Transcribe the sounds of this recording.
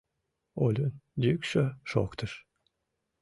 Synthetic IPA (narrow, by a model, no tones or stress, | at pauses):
olʲund̪ykʃøʃo̰kt̪əʃ